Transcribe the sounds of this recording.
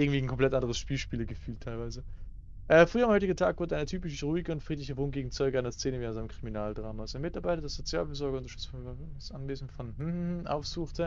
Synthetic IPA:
ɪŋ̩tv̥iːn̩kʰɔmpl̥ɛtʔandəʁ̞əsʃpiːlʃpiːlɐɡəfyːltʰaɪlvaɪzə | ʔɛːfʁ̥yːɐamhɔʏtɪɡn̩tʰaːkvʊdəʔaɪnətʰyːpɪçʁuːɪɡəʊntfʁ̥iːtlɪçəvoːn̚ɡ̥eːɡŋ̩t͡sɔʏɡəaɪnɐst͡seːnəviːanzaɪnəmkʁ̥iminaːldʁaːmasanmɪtaɐbaɪtɐdesz̥ot͡sjaːlfyːɐzɔɐɡɐʊntɐʃtʏt͡sfɔnsʔanveːzn̩tfɔnhm̩h̩ʔa̰ʊfz̥uːxtʰə

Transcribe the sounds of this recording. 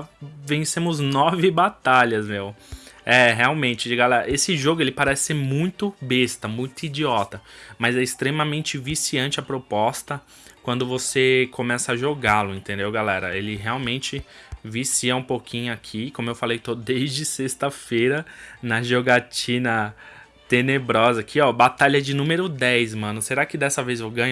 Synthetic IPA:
vẽsẽmʊznɔvɪbat̪aʎɐzmewɛɦeawmẽnt͡ʃɪd͡ʒɪɡalɛɾɐesɪʒoɡʊelɪpaɾɛsɪ̥seɾmũj̃t̪ʊbest̪ɐmũj̃t̪ʊid͡ʒiɔt̪ɐmɐzɛɪst̪ɾemɐmẽnt͡ʃɪvisiɐ̃nt͡ʃɪɐpɾopɔst̪ɐ | kwɐ̃nd̪ʊvosekʰomɛsɐɐʒoɡalʊẽnt̪ẽnd̪ewɡalɛɾɐelɪɦeawmẽnt͡ʃɪvisiɐũpokʰĩɲʊakʰikõmʊewfalejt̪odd̪ejzd͡ʒɪsest̪ɐfejɾɐnɐʒoɡat͡ʃĩnɐ | t̪enebɾɔzɐakʰiɔbat̪aʎɐd͡ʒɪnũmeɾʊd̪ɛjsmɐ̃nʊseɾakɪd̪ɛsɐvezewɡɐ̃ɲ

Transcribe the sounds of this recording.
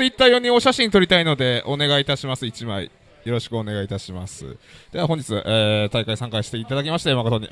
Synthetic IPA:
ɨit̪ːaːjo̞ɲ̟ĩo̞ɕaɕĩɲːit̪o̞ɾʲit̪aino̞d̪e̞ʔo̞ne̞ɡait̪aɕimasɨit͡ɕimaḭ | jo̞ɾo̞ɕi̥kɯ̟o̞ne̞ɡait̪aɕimasɨ̰d̪̥e̞βaɦõɲd͡ʑit͡sɨʔeːt̪aikaisãŋkaiɕi̥t̪e̞it̪ad̪akʲimaɕi̥t̪emakot̪oɲ̟i

